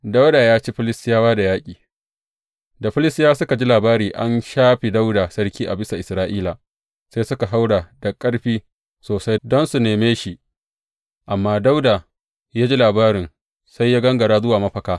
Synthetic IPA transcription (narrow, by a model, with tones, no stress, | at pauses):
da˦wdaː˨jaː˦t͡ʃi˦ɸɪ˦lɪ˦stɪ˦jaː˦waː˦da˨jaː˦kʲʼiː˨ | da˨ɸɪ˦lɪ˦stɪ˦jaː˦sʊ˦ka˨d͡ʒi˦laː˨baː˦ɾiː˨ʔa˦nʃaː˦ɸi˨da˦wdaː˨sɐ˦ɾkʲiː˦ʔa˨bɪ˦sa˨ʔɪ˨sɾaː˦ʔiː˦la˨ | sa˦jsʊ˦ka˨ɦa˦wɽa˨dɐ˨kʼːɐ˦ɽɸiː˦ | soː˨sa˦jdɔ˦nsu˨neː˨meː˦ʃi˨ʔ | ʔa˨mːaː˦da˦wdaː˨ | jaː˦d͡ʒi˦laː˨baː˦ɾɪ˨n | sa˦jːaː˦ɡɐ˦ŋɡɐ˨ɽaː˦zʊ˦waː˨mɐ˦ɸɐ˨kaː˦